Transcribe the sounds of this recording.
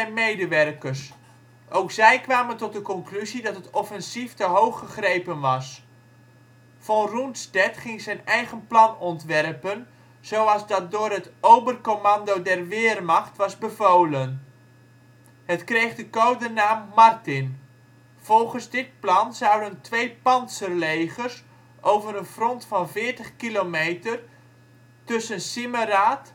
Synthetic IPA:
ɛmejdəʋɛrkərs | ʔowkzɛjkʋaːməntɔt̚dəkɔnklyzidɑtɦətɔfɛnsiftəɦowχːəχrejpənʋɑs | fɔnruntstɛtχɪŋzɛjnɛjχənplɑnɔntʋɛrpən | z̥owɑlˠzdɑt̚dʊːrɦətowbərkomɑndowdɛrʋɪːrmɑχtʋɑzbəvoːlən | ɦətkrejχdəkowdənaːmːɑrtɪn | v̥ɔlˠχənzdɪt̚plɑnzɑwdəntʋejpɑntsərlejχərs | ʔowvəɾənfrɔntfɑnvɪːɹtəχkilomejtər | tɵsənsɪməraːt

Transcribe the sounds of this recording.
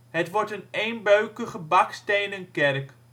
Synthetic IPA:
ɦətʋɔɹtənejnbøɥkəχəbɑkstejnənkɛrk

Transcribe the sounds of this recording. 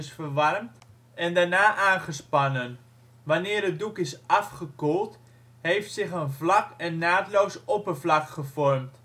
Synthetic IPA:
sfərʋɑrmt | ɛndaːɹnaːʔaːnχəspɑnən | ʋanɪːrət̚dukɪsʔɑfχəkolˠt | ɦejftsɪχənvlɑkɛnːaːtlowsɔpəvlɑkχəvɔrmt

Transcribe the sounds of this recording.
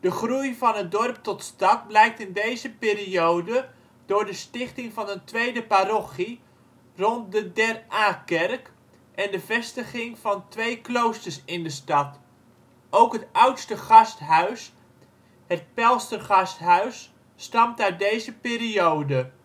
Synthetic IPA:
d̥əχrujvɑnɦətdɔrp̚tɔtstɑt̚blɛjk̚tɪndejzəpɪːɾiowdə | d̥ʊːɹdəstɪχtɪŋvɑnəntʋejdəparɔχi | rɔnt̚dədɛraːkɛrk | ʔɛndəvɛstəχɪŋvɑntʋejklowstəɹsɪndəstɑt | owkɦətʌwtstəχɑstɦœɥs | ɦət̚pɛlˠstərχɑstɦœɥsː | tɑmtaɥt̚dejzəpɪːɾiowdə

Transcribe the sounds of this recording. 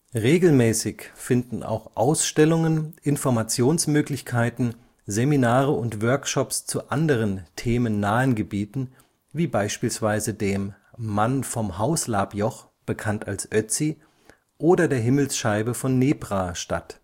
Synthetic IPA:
ʁeːɡl̩mɛːsɪçfɪndn̩ʔa̰ʊxʔaʊsʃtɛlʊŋənʔɪnfɔɐmat͡sjoːnsmøːklɪçkʰaɪtn̩ | zeminaːʁəʊntv̥œɐkʃɔpst͡suʔandəʁ̞əntʰeːmənːaːənɡəbiːtn̩ | viːbaɪʃpiːlsv̥aɪzədeːmː | anfɔmhaʊslaːpjɔχ | b̥əkʰantalsʔœt͡si | ʔoːdɐdeːɐɦɪml̩sʃaɪbəfɔnːeːpʁ̥aːʃta̰t

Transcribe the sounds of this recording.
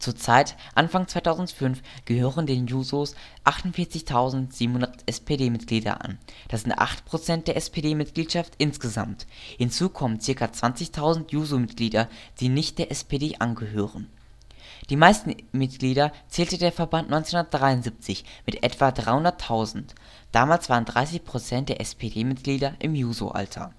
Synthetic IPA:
t͡suːɐt͡saɪt | ʔanfaŋt͡sv̥aɪtʰaʊzn̩tfʏnfɡ̥əhøːʁəndeːnjuːzos | ʔaχtʊntfɪːɐt͡sɪçtʰaʊzn̩tz̥iːbm̩hʊndɐtʔɛspʰedeːmɪt̚ɡ̥liːdɐ̰ʔa̰nd̥asz̥ɪntʔa̰χtpʁ̥ot͡sɛntd̥eːɐʔɛspʰedeːmɪt̚ɡ̥liːtʃaftʔɪnsɡ̥əza̰mthɪnt͡suːkʰɔmənt͡sɪɐkat͡sv̥ant͡sɪçtʰaʊzn̩tjuːzomɪtɡ̥liːdɐd̥iːnɪçt̚d̥eːɐʔɛspedeːʔanɡəɦøːʁən | d̥iːmaɪstn̩mɪt̚ɡ̥liːɾɐt͡sɛːltədeːɐfɛɐbantnɔʏnt͡senhʊndɐtd̥ʁaɪʊnzip̚t͡sɪçmɪtʔɛtv̥adʁaɪhʊndɐtʰaʊzn̩t | d̥aːmaːlsv̥aːʁəndʁaɪsɪçpʁ̥ot͡sɛnt̚d̥eːɐʔɛspʰedeːmɪt̚ɡ̥liːdɐʔɪmjuːzo̰ʔa̰ltʰɐ̰

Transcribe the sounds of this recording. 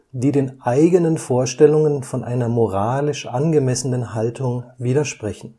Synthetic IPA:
d̥iːdeːnʔaɪɡənənfoːɐʃtɛlʊŋənfɔnʔa̰ɪnɐmoʁaːlɪʃʔanɡəmɛsənənhaltʰʊŋviːɾɐʃpʁ̥ɛçn̩

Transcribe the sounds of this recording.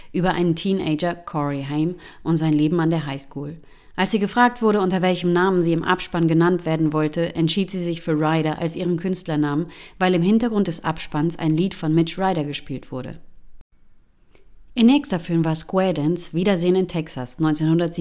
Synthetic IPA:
ʔyːbɐʔa̰ɪnəntʰiːnḛɪd͡ʒɐkʰɔʁiɦɛɪm | ʔʊntz̥aɪnleːbm̩andeːɐɦaɪskʰuːl | ʔalsz̥iːɡəfʁ̥aːk̚tv̥ʊɐɾəʊntɐvɛlçəmnaːmənziːɪmʔa̰pʃpanɡənantv̥eːɐdn̩vɔltʰəʔɛntʃiːtz̥iːzɪçfyːɐʁaɪɾɐʔa̰lsʔiːʁ̞ənkʰʏnstlɐnaːmənvaɪlɪmɦɪntɐɡʁʊnt̚d̥ɛsʔa̰pʃpansʔa̰ɪnliːtfɔnmɪt͡ʃʁaɪɾɐɡəʃpiːltv̥ʊɐɾə̰ | ʔiːɐnɛːkstɐfɪlmvaːɐskwɛɐdɛnsv̥iːdɐzeːənɪntʰɛksasnɔ̃ʏnt͡seːnhʊndɐtz̥iː

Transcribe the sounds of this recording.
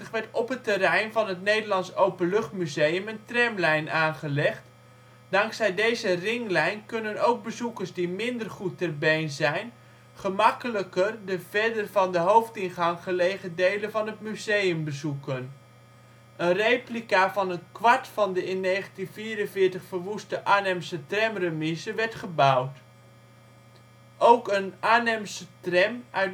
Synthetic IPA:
əχʋɛɹtɔpɦətərɛjnvɑnɦətnejdəlɑnsowpənlɵχtmyzejəməntrɛmlɛjnʔaːnχəlɛχt | d̥ɑŋksɛjdejzərɪŋlɛjnkɵnənowɡ̚bəzukəɹsdimɪndərχutːɛrbejnzɛjn | χəmɑkələkərdəvɛɹdərvɑndəɦowftɪnχɑŋχəlejχədejlənvɑnətmyzejəmbəzukən | ənrejplikavɑnənkʋɑɹtfɑndəɪnːejχəntinviːɾənvɪːɹtəχfərʋustəʔaːnɛmsətrɛmrəmɪsəʋɛɹtχəbʌwt | ʔowkənaːnɛmsətrɛmœɥ

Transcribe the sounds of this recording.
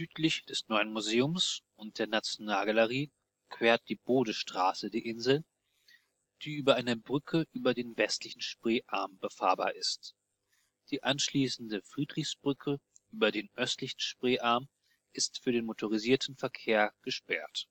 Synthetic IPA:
z̥yːtʰlɪçd̥ɛsnɔʏənmuzeːʊmsʔʊnt̚d̥eːɐnat͡sjonaːlɡaləʁ̞iː | kv̥eːɐt̚d̥iːboːdəʃtʁ̥aːsədiːʔɪnzl̩ | d̥iːʔyːbɐʔaɪnəbʁʏkʰəʔyːbɐdeːnvɛstlɪçn̩ʃpʁ̥eːʔa̰ɐmbəfa̰ːɐba̰ːɐʔɪst | d̥iːʔanʃliːsn̩dəfʁ̥iːdʁɪçsb̥ʁʏkʰəʔyːbɐdeːnʔœstlɪçn̩ʃpʁ̥eːʔaɐm | ʔɪstfyːɐdeːnmotʰoʁiziːɐtn̩fɛɐkʰeːɐɡ̥əʃpɛ̰ɐt

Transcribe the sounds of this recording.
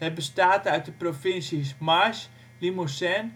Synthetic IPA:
ɛbəstaːtœɥt̚dəprofɪnsismaɹʃ | limusɛn

